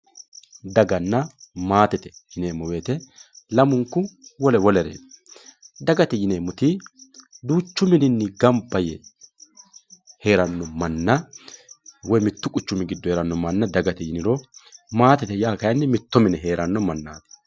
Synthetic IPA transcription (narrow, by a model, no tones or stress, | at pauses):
d̪ɐɡɐnːɐmaːt̪ɛt̪ɛjɪneːmːɔwe̞ːt̪ɛlɐmʊŋkːʊwɔlɛwɔlɛɾḛː | d̪ɐɡɐt̪ɛjɪneːmːɔt̪i | d̪uːt͡ʃːʊmɪnɪnːɪɡɐmpːɐjɛ | he̞ːɾɐnːɔmɐnːɐ | wɔjmɪt̪ːʊkʼʊt͡ʃːʊmɪɡɪd̪ːɔheːɾɐnːɔmɐnːɐd̪ɐɡɐt̪ɛjɪnɪɾɔmaːt̪ɛt̪ɛjaːkɐjɐnːɪmɪt̪ːɔmɪnɛɦe̞ːɾɐnːɔmɐnːaːt̪ɛ̥